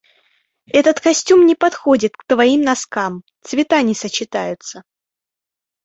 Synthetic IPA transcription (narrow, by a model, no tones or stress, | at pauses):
ɛt̪ət̪kɐsʲtʲumnʲɪpɐt̪xo̞dʲɪt̪̚kt̪vɐimnɐskamt̪svʲɪt̪anʲɪsət͡ɕːɪt̪a̰jʊt̪sə